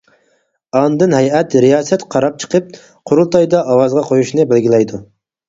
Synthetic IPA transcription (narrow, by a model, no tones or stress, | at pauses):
ɑnd̪ɨnɦɛjɛt̪ɾijɑːsɛt̪qʰɑɾɑp̚t͡ʃʰə̥qʰəp̚ | qʰoɾulˠt̪ɑjd̪ɑʔɑwɑzʁɑqʰojuʃnɨbelɡʲilɛjd̪u